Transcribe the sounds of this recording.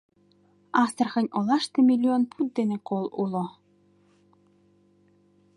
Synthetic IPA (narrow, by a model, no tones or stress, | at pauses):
ɑst̪ərxə̆nʲolɑʃt̪emilʲːionpʰut̪̚d̪enekolulo